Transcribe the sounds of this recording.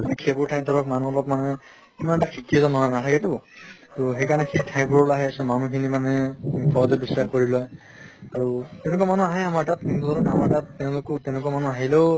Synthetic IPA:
ikʰebuɹtʰajmtʰɔɹɔk̚manuɔlɔp̚manɛ | kimantakʰikiɛzɔnɔnanatʰakɛtʊtɔɦekanɛkʰitʰaj̃mbɔɹɔlaɦɛasɔmanukʰinimanɛpʰɔɹɔtɛbisɹaxkɔɹilɔj | aɹutɛ̃nɛk̬amanuaɦɛjamaɹtatintlɔlɔkamaɹtattɛʊ̃lʊkɔtɛʊ̃nɛkuamanuaɦileʊ

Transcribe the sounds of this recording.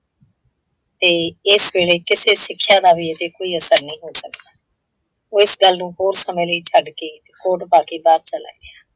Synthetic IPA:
t̪eːɪsʋeːɽeːkɪseːsɪkʰːjãːd̪aːʋiːeːd̪eːkoːiːəsəɾnəĩːɦoːsəkd̪aː | oːɪsɡəlnũːɦoːɾsəmẽːləiːt͡ʃʰəɖkeːt̪eːkoːʈbaːkiːbaːɾt͡ʃəla̰ːḭːɡeaː

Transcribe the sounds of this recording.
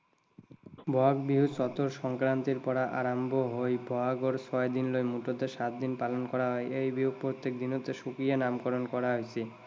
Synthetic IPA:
bʱɔaɡbiɦusɔt̪oɾʃɔŋkɾant̪iɾpɔɾaʔaɾambʱoɦojbʱɔaɡoɾsʰɔed̪inlojmuʈot̪eʃat̪̚d̪inpalonkɔɾaɦɔeʔejbiɦupɾot̪ːek̚d̪inot̪eʃukɾijanamkɔɾonkɔɾaɦojt͡ɕʰi

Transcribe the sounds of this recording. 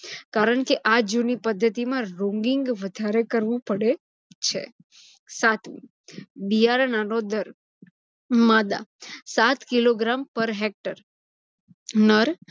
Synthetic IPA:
kaɾəɳkeʔad͡ʒunipəd̪ʱːət̪imãɾɔ̃ŋɡiŋɡʋəd̪ʱaɾekəɾʋũpəɽe | t͡ʃʰḛ | sat̪ʰʋḭ | bijaɾnanod̪əɾ | mad̪a̰sat̪kiloɡɾampəɾɦek̚ʈəɾ | nəɾ

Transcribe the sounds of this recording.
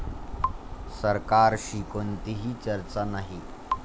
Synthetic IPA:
səɾkaɾɕikont̪iɦiːt͡ɕəɾt͡sanaɦi

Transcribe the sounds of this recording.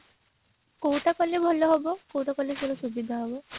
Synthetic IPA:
kowʈakɔlebʱɔlːɔɦɔbɔkowʈakɔleselɔsubid̪ʱaɦɔbɔ

